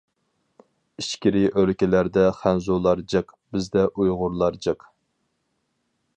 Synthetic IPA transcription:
iʃkʲiɾiʔølkʲɪlæɾd̪ɛχænzulˠɑɾd͡ʒɨq | bɪzd̪ɛʔujʁʊɾlˠɑɾd͡ʒɨq

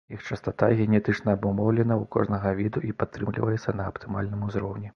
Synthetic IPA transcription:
jixt͡ʂɐst̪at̪aɣʲɛnʲɛt̪ɨt͡ʂnɐːbumɔwlʲɛnɐukɔ̰ʐnɐɣɐvʲid̪uʔipat̪ːɾɨmlʲḭvɐjʲɛt̪sʲːɐnɐɐpt̪ɨmalʲnɨmuzɾɔwnʲi

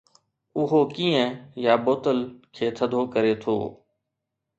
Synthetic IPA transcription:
ʊɦoːkiːə̃jaːboːt̪əlkʰeːt̪ʰəd̪ʱoːkəɾeːt̪ʰo̰ː

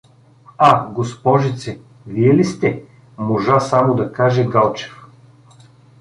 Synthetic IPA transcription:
aɡospɔʒit̪sɛ | viɛlist̪ɛ | moʒasamod̪ɐkaʒɛɡalˠt͡ʃɛ̥f

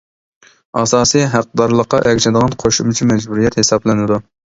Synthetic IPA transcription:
ɑsɑːsiɦæq̚d̪ɑɾlˠəqːɑʔɛkʲt͡ʃʰɛd̪əʁɑnqʰoʃumt͡ʃʰimɛd͡ʒbuɾijɛt̪hesɑblɪnɪd̪u

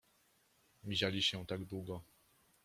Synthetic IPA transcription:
mʲiʑalʲiɕɛ̃t̪aɡd̪wuɡɔ

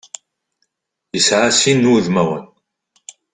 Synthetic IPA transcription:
jəsʕasinːuðmæwə̰n

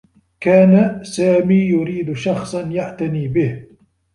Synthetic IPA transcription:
kaːnasaːmiːjʊɾiːd̪ʃɑxsˤɑnjaʕt̪aniːbɪh

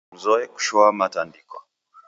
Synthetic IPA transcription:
zɔɛku̥ʃɔamatandikɔ̰

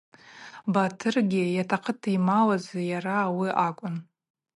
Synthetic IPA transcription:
batʰɨrɡʲɪjatʰaqʰətʰimawazajaɾawiʔakʷʼʊn

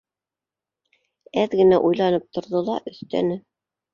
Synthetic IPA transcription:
æðɡɘ̆næʔujlˠɑnɤp̚t̪ŏɾðɤlˠɑʔɵ̆θt̪æ̰nɘ

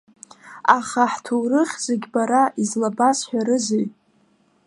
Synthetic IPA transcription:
aχaħtʰuwɾɨχʲzeɡʲbaɾaizlabasħᶣaɾɨzejtʼ

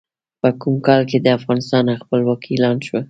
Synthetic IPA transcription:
pəkumkɑlked̪əafɣɑnɪst̪ɑnaxpəlwakʰilɑnʃwə

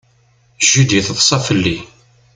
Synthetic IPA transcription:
ʒid̪iθəðˤsˤɑfəlːi

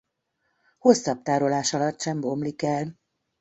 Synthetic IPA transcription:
ho̞sːɒp̚t̪aːɾo̞laːʃɒlɒt̪ːʃɛmbo̞mlikɛl

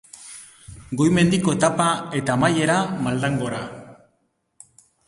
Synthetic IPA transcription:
ɡo̞jme̞nd̪iko̞et̪apae̞t̪aːmaje̞ɾamald̪aŋɡo̞ɾa

